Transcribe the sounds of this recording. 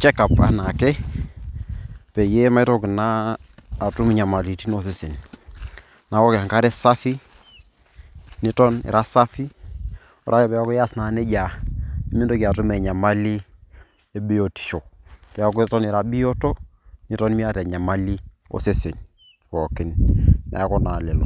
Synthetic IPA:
t͡ʃɛ˦ka˨pa̰˨na˨kɛ˦ | pɛ˨je˦ma˦i˦to˦ki˨naː˦˨ | tu˦mi˦ɲa˨ma˨li˨ti˦no˦se˨se˨n | na˨˦wɔ˦ke˨a˨ŋka˦ɾɛ˦sa˦fi˦ | ni˦tɔ˦nḭ˨ɾa˦sa˦fi˦ | ɔ˦ɾa˦kɛ˨pɛ˨a˦kɔ˦ja˦sna˨˦ne˦d͡ʒa˨i˦mi˦ndo˦ki˨a˨tu˦mɛ˨ɲa˨ma˦li˦ | e˦be˦o˨ti̥˨ʃo˨pɛ˨a˦kɔ˦tɔ˦nɪ˨ɾa˦bi˦jo˦to˦ni˦tɔ˦n˦mi˦a˦tɛ˨ɲa˨ma˦li˦ | o̰˨se˦se˨n | wɔ˨kɪ˨nnʔa̰˨˦kɔ˦na˨le˨lo̰˨

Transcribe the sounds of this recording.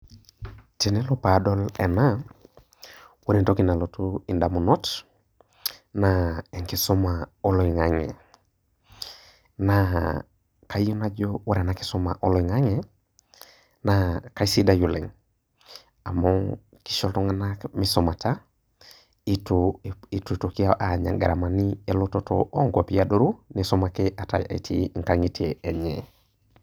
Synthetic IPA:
te˨nɛ˦lɔ˦pa˨dɔ˦lɛ˨na˦ | wo˦ɾe˨nto˦ki˨na˨lo˨tu˦i˨nda˨mu˨nɔ˦t | na˨ɛ˨ŋki˨sɔ˦ma˨o˦lɔ˨i˨ŋa˨ŋɛ̰˨ | na˨ | ka˨˦jo˦na˦d͡ʒowa˦ɾɛ˨na˨ki̥˦sɔ˦ma˨ʔo˦lɔ˨i˨ŋa˦ŋɛ˨ | naka˦i˦si˦da˦ju˨le˨ŋ | a˨mɔ˦ŋ | ki̥˦ʃɔ˦ltɔ˦ŋa˦nakmisɔma˨ta˦ | i˦toi˦tu˨to˨ki˦a˦ʔa˨ɲa̰˨ŋɡa˨ɾa˨ma˨ni˦e˦loto˦to̰ʔo˦ŋɡa˨pi˦ado˦ɾu˦nisɔ˦ma˨ke˦ʔa˨ta̰˨ḭ˨tʰi˦ŋ˨kaŋi˦tiee˨ɲɛ̰˨

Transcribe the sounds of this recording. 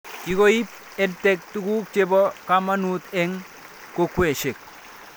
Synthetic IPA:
ki˨˦ko˦i˦p̚ | ɛ˦ntɛk̚tu˦ɡu˦k̚t͡ʃebɔ˦kama˦nut̪ɛ˦ŋ | ko˦kwe˨ʃe˨k̚

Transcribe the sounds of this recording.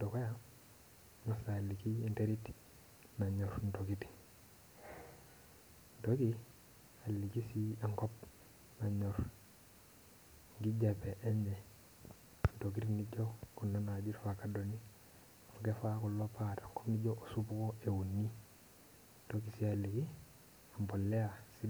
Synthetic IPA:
to˨ko˦ja˦ | ma˦sa˨li˨ki˦e˦nte˦ɾi˦t | na˨ɲɔ˨ɾn̩˨toki˦ti̥ | ntoki | a˨lːi˨ki˦si˦a˨ŋkɔp̚ | na˨ɲɔɾ | ŋɡi˦d͡ʒape˨ʔe˦ɲɛ˨ | ntok̬i˦tniɟo˦ku˨nːa˦na˨d͡ʒi˦ɾfaka˨doni˦ | oke˦fa˦ku˨lopataŋkɔpni˦d͡ʒoʔo˨supu˦ko˦e˨wu˨nːi˦ | ntok̬i˨sialːi˨ki˦ | a˨mbo˨lːɛ˦asi

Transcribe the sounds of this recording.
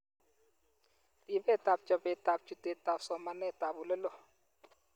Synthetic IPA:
di˨bɛ˦˨ta˨p̚t͡ʃɔ˨bɛ˨ta˨p̚t͡ʃu˨te˨ta˨psɔ˨ma˨nɛ˦˨ta˨bʊ˨lɛ˦lɔ˦

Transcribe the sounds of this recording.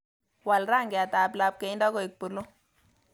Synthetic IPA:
wa˨lɾa˦˨ŋɡɛ˨a˨taː˨pla˨˦p̚ke˨˦nda˦ko˨i˨k̚pu˨lo˦

